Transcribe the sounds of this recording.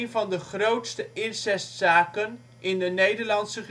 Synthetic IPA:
nvɑndəχrowtstəʔɪnsɛstsaːkən | ʔɪndənejdəɹlɑnsəχ

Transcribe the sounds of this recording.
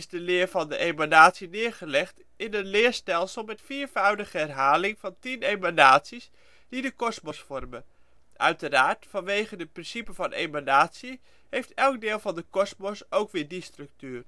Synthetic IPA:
ɪzdəlɪːɹvɑndəʔejmanaːtsinɪːɹχəlɛχt | ɪnənlɪːɹstɛlˠsəlˠmɛtfiːɹvœwdəχəɦɛrɦaːlɪŋvɑntinejmanaːtsis | d̥idəkɔsmɔsfɔrmə | ʔœ̰ɥtəɾaːɹtfɑnʋejχəndəprɪnsipəvɑnʔejmanaːtsi | ɦejftɛlˠɡ̚dɪːlˠvɑndəkɔsmɔsowkʋɪːɹdistrɵk̚tyːr

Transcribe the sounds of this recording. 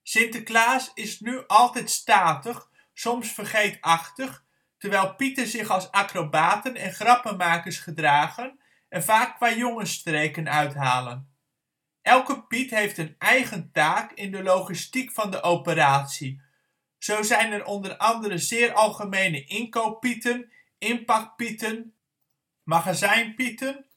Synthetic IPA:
sɪntəklaːsɪsnyʔɑlˠtɛjtstaːtəχ | sɔmsfərχejtɑχtəχ | təɹʋɛjlˠpitəzɪχɑlˠsaːkrobaːtənɛnχrɑpəmaːkəɹsχədraːχən | ɛnvaːkːʋaːjoŋənstrejkənœɥtɦaːlən | ʔɛlˠkəpitɦejftənʔɛjχəntaːkɪndəlowχistikfɑndəʔowpəraːtsi | z̥owzɛjnɛɾʔɔndərɑndəɾəzɪːɾʔɑlˠχəmejnəʔɪŋkowpitən | ɪmpɑk̚pitən | maχazɛjnpitən

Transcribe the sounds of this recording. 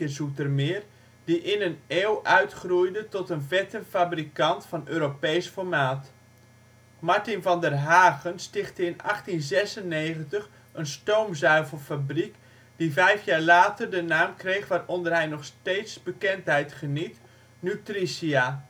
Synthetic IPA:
əzutərmɪːr | diʔɪnəneːlˠʔœɥtχrujdətɔtənvɛtəfabrikɑntfɑnøːɾopejsfɔɹmaːt | maɹtɪnvɑndərɦaːɣənstɪχtəɪnɑ̰χtinzɛsənːeːχəntəχ | ənstowmzœɥvəlˠfabrik | d̥ivɛjfjaːɹlaːtərdənaːmkrejχʋaːrɔndərɦɛjnɔχsteːtsbəkɛntɦɛjtχənit | nytrisia

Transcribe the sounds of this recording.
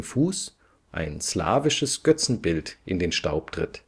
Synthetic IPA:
fuːs | ʔa̰ɪnsla̰ːvɪʃəsɡ̥œt͡sn̩bɪltʔɪndeːnʃta̰ʊptʁ̥ɪ̰t

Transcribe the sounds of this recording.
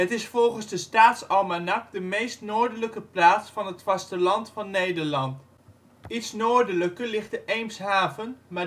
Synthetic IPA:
ɦətɪsfɔlˠχənzdəstaːtsɑlˠmanɑk̚dəmejstnoːɹdələkəplaːtsfɑnɦətfɑstəlɑntfɑnːejdəɹlɑnt | itsnoːɹdələkəlɪχtəʔejmsɦaːvənmaː

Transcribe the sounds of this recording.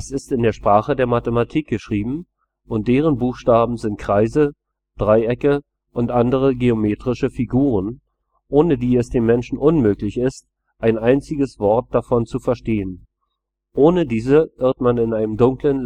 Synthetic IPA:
sɪstɪndeːɐʃpʁ̥aːχədeːɐmatəmatʰiːk̚ɡ̥əʃʁ̥iːbm̩ | ʔʊnt̚d̥eːʁ̞ənbuːxʃtaːbm̩zɪnt̚kʁ̥aɪzə | d̥ʁaɪɛkə | ʔʊntʔandəʁ̞əɡeomeːtʁ̥ɪʃəfiɡuːʁən | ʔoːnədiːɛsd̥eːmːɛnʃn̩ʔʊnmøːklɪçɪst | ʔaɪnʔaɪnt͡sɪɡəsv̥ɔɐt̚d̥afɔnt͡sufɛɐʃteːən | ʔoːnədiːzəvɪɐtmanɪnaɪnəmdʊŋklən

